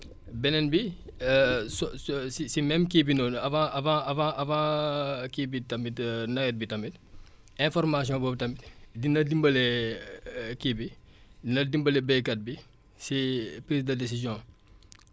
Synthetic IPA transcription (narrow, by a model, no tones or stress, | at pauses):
bɛnɛnbi | sɔssisimɛmkibinɔnɐfãɐfãɐfãʔɐfãkibitɐmbitnɐɡɛt̚bitɐmbit̚ | ɛ̃fɔrmas̬jɔ̃ːbɔːbitɐmbitdinɐdimbɐlɛ | kibi | dinɐdimbɐlɛbɛjkɐt̚bi | sipɾiːsdɐdes̬izjɔ̃ː